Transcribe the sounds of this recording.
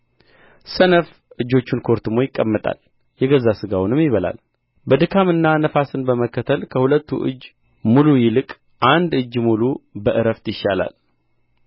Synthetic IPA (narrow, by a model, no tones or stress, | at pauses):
sənəf | ʔɨd͡ʒːo̞t͡ʃːunkʰo̞ɾt̪ʰɨmo̞jɪkʼːəmːət̪ʼa̰l | jɛɡəzːasɨɡawnɨmjɪβəla̰l | bəd̪ɨkʰamɨnːanəfasɨnbəməkːət̪ʰəlkʰəhulət̪ːṵʔɨ̰d͡ʒː | mulujɪlɨkʼ | ʔand̪ɨd͡ʒːmulubəʔɨɾəft̪jɪʃːala̰l